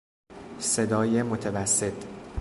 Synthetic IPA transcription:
se̞d̪ɒːjemot̪ʰevæsːet̪ʰ

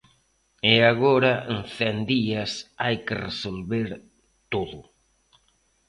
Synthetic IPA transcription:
eaɣoɾɐenθɛnd̪iɐsajkɪresolβeɾ | t̪oðʊ

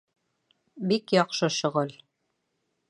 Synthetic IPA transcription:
bikjɒqʃɤɕŏʁɤl

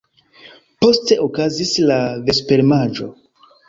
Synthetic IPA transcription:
po̞ste̞ʔokazislave̞spe̞ɾmaʒo̞̰

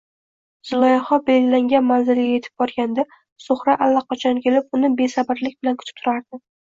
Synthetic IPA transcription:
z̥ɪlˠɒjaχɒbejlaŋɡʲanmanzɪlɡʲaje̞t̪ʰɪ̥b̚bɒɾɡʲand̪a | sʊχɾaʔalːaqʰɑt͡ʃʰɒnkʲʰe̞lɪp̚ʊnɪbe̞sabɪɾlɪk̚ʲbɪlankʰʊ̥t̪ʰɪ̥p̚t̪ʰʊɾaɾd̪ɪ

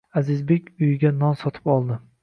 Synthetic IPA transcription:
azɪzbekʲʊjɪɡʲanɒnsɒt̪ʰɪ̥pɒlˠd̪ɪ

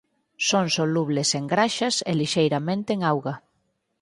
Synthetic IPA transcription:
soŋsoluβleseŋɡɾaʃasḛliʃejɾamẽnt̪eeŋawɣa

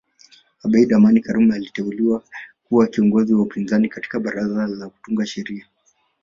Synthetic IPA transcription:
aɓaiɗamanikaɾumalitɛuliwakuwakiɔŋɡɔziwaupinzanikati̥kaɓaɾazalaku̥tuŋɡaʃɛɾia

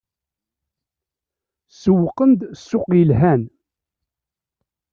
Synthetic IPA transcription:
səwəqːənd̪sːʊqjəlɦæn

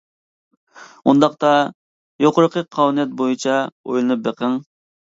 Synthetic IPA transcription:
und̪ɑqt̪ɑ | joqʊɾəqʰəqʰːɑwnijɛt̪̚bojut͡ʃʰɑo̰jlˠɨnɨp̚beqʰəŋ

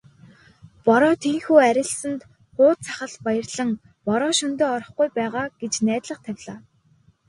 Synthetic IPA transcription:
pɔɾɔːt̪ʰeːŋxuːæɾʲɪ̆ɮsə̆nt̪ | χʊːt̪̚t͡sʰaχə̆ɮpajə̆rɮə̆ŋ | pɔɾɔːʃɵnt̪eːɔɾɞ̆χɡujpæːʁaːɡ̥et͡ɕnæːt̪ɮə̆qt̪ʰæwʲɮaː

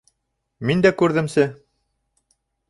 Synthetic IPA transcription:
mind̪ækʉɾðɘ̆msɘ

